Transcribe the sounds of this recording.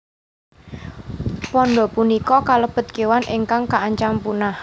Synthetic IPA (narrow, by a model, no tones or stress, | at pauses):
pɔnɖɔpunikɔkalob̥ə̤t̪̚kewanʔeŋkaŋkaːɲt͡ʃampunah